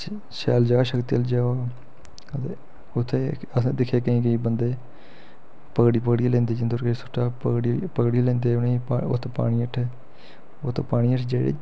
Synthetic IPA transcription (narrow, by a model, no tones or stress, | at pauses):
ʃɛːld͡ʒaːʃəkt̪iəld͡ʒaː | ət̪eː | ʊt̪ʰːeː | əseːd̪ɪkʰːeːkəĩːk̬əĩːbənd̪eː | pəkɽiːpəkɽilẽːnd̪eːd͡ʒɪnd̪oɾkesʊʈʰːaːpəkɽpəkɽilẽːnd̪eːʊneːo̰t̪ʰːpa̰ːɽ̃iːəʈʰː | ot̪ʰːpaːɽ̃iːəʈʰd͡ʒeːɽḛː